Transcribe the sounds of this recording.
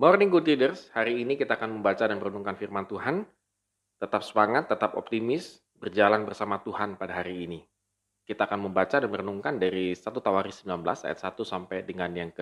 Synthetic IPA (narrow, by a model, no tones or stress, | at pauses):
mɔrniŋkut̪idərshaɾiːnikit̪aːkanməmbat͡ʃadanməɾənuŋkanfirmant̪uɦan | t̪ət̪ap̚səmaŋat̪ːət̪apɔ̰p̚t̪imɪs | bərd͡ʒalanbərsamat̪uɦanpadaɦaɾiːni | kit̪aːkanməmbat͡ʃadanməɾənuŋkandaɾisat̪ut̪awaɾisəmbilanbəla̰sa̰jat̪sat̪usampajdəŋanjaŋkə